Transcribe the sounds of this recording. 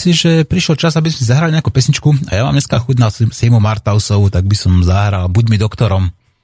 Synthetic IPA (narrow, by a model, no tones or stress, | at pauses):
siʒɛpɾiʃɛlt͡ʃazabizmɛsizaɦɾaliɲɛakupɛsɲit͡ʃkua̰jama̰ːmɲɛskaːxudnaːsimɔmaɾt̪aʊsɔʊt̪aɡ̚bisɔmzaɦɾalbuɟmid̪ɔkt̪ɔɾɔm